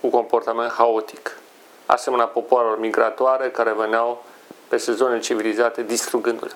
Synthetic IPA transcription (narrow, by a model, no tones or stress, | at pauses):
kuko̞mpo̞rt̪ame̞nt̪xao̞t̪i̥k | a̰semenʲapo̞poaɾelo̞rmiɡɾat̪oaɾe̞kaɾe̞veneaw | pe̞sezo̞net͡ʃivilizat̪e̞d̪ist̪ɾuɡɨnd̪ṵl